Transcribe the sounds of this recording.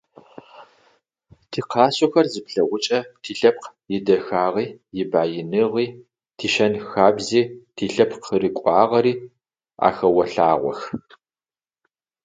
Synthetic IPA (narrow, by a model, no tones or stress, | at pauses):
tʰiːqʰɑːsʼɔxɐrzɨpɬɐʁʷʊt͡ʃʼɐtʰiːɬɐp̚qjɪdɐxaːʁiːjɪbaːjɪnɨʁiː | tʰiːʃɐnxaːbziːtʰiːɬɐpqʰəɾɨkʷʼɑːʁɐɾiː | a̰ːxɐwɐɬaːʁʷɔ̰x